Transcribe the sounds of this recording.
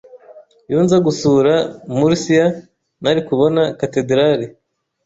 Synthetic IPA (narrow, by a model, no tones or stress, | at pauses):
juːnzaɡusuɾamuɾisija | naɾikuβo̞nakatedɾaɾi